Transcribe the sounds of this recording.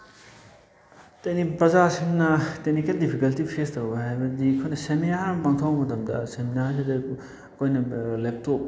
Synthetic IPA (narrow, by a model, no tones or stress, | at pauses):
tɐjnipɾɐzasiŋnɐtek̚nikeldipʰikɐltipʰestowɡɐɦajbɐdikʰojnɐseminamaŋtʰɐwmɐtɐmdɐ̰seminaɾsidɐ | kʰojnɐlep̚tʰok̚